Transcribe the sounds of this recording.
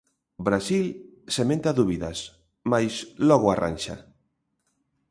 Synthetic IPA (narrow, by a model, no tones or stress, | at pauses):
bɾasilsemẽnt̪aðuβiðɐs | majslɔɣoarʔa̰nʲʃa̰